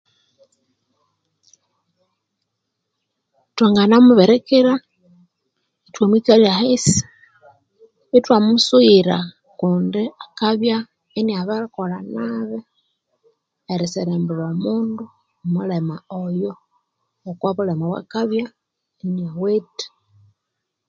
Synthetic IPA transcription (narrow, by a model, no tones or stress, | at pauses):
twaŋɡanamuβeɾekeɾa | etwamwikaliahes | etwamusuiɾa | kuːndiakaβja | eniaβaɾikolanaβe | ɾiseɾembuɾomuːndu | mulemaojoː | kwaβulemaβwa̰kaβja | eniawete̥